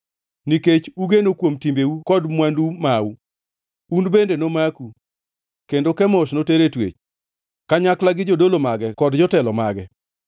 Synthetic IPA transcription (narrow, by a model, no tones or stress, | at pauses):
niket͡ʃuɡenokwomtimbeukɔdmwandumawu | unbendenomaku | kendokɛmɔʃnoteɾetwḛt͡ʃ | kaɲaklaɡɪd͡ʒodolomaɡɛkɔdd͡ʒɔtɛlɔmaɡɛ